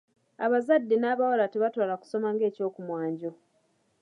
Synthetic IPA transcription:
aβazadːenaːβawalateβatwaːlaku̥so̞maŋɡe̞ːco̞ːkumwaːɲɟo̞

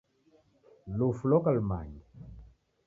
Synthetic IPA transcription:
lufulɔkalma̰ɲi

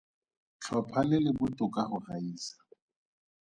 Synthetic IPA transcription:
t͡ɬʰwapʰalɪlɪbʊtʼʊkʼahʊraiːsḁ

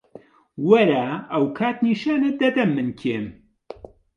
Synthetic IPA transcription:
wɐɾaːɐwkʰaːt̪niːʃaːnɨd̪ɐd̪ɐmːɨnkʰeːm

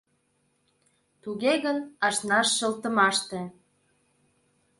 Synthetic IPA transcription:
t̪uɣeɣənɑʃnɑʃːə̆lt̪ə̆mɑʃt̪ĕ

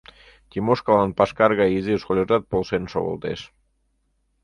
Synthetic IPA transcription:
t̪ʲimoʃkalɑnpɑʃkɑrɣɑiziʃkolʲoʒɑt̪̚polˠʃenʃo̰βo̰lˠt̪ḛʃ

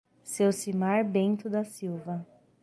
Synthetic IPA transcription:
sewsimaɾbẽnt̪ʊd̪ɐsiwvɐ

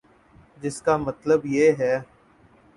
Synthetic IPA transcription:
d͡ʒɪskaːmət̪ləbjeːɦɛː

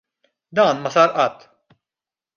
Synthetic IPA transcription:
d̪ɐːnmɐsɐːɾʔɐt̪ː

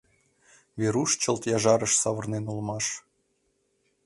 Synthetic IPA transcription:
βeɾuʃt͡ɕə̆lˠt̪jɑʒɑɾə̆ʃsɑβɤ̆rnenulˠmɑʃ

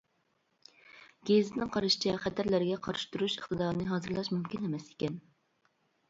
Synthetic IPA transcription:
ɡʲeznɪŋqʰɑɾɨʃi̥t͡ʃʰɛχæt̪ʰæɾlæɾɪɡʲɛqʰɑɾʃu̥t̪uɾuʃəχt̪ɨd̪ɑːɾɨnɨɦɑːzɨɾlˠɑʃmumkʲinɛmɛse̥kʲɛn

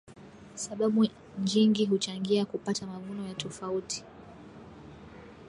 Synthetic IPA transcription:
saɓaɓu | ɲd͡ʒiŋɡiɦut͡ʃaŋɡiakupatamavunɔjatʰɔfautʰi̥

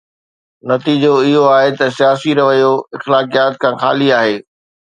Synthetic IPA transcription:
nɐt̪iːd͡ʑoɪɦoaːɦet̪ɐsijaːsiɾɐʋəjoɪxlaːkijaːt̪̚kʰãːxa̰ːliaːɦeː

